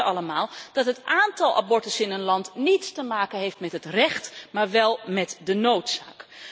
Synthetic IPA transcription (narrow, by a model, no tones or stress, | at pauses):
ɑləmaːlˠd̥ɑtɦətaːntɑlˠʔa̰bɔɹtəsɪnənlɑntnitstəmaːkənɦejftmɛtɦətrɛχtmaːɹʋɛlˠmɛtdənowtsa̰ːk